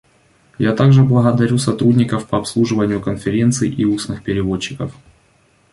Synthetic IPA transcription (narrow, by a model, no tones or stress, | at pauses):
jat̪aɡʐɨblˠəɣəd̪ɐɾʲusɐt̪ɾudʲnʲɪkəfpɐɐpslˠuʐɨvənʲɪjʊkənfʲɪɾʲe̞nt̪sɨjʔiusnɨxpʲɪɾʲɪvo̞t͡ɕːɪkəf